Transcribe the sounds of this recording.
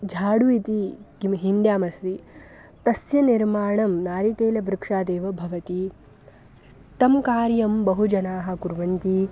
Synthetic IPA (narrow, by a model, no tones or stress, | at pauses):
d͡ʒʱaːɽuit̪iɡimɦind̪jaːmɐsɾi | t̪ɐsjɐniɾmaːɳɐmnaːɾikeːlɐbɾɪkʂaːd̪eːʋɐbʱɐʋɐt̪i | t̪ɐmkaːɾjɐmbɐɦud͡ʒɐnaːɦɐ̆kuɾʋɐnt̪i